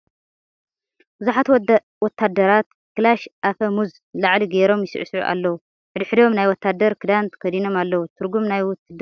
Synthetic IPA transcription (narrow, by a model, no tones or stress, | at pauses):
b̥ɨzuħat̪ | wɔt̪ʰːad̪ːɐɾat̪̚ | kɨlaʃʔafɐmuz | laʕliɡeɾo̞mjɪsɨ̰ʔɨsʕṵʔa̰lːɐwu | ħɨd̪ɨħɨd̪o̞mnajwɔt̪ʰːad̪ːɐɾkʰɨd̪ant̪ʰkʰɐd̪ino̞malːɐwut̪ʰɨɾɡumnajwʊt̪ʰːɨd̪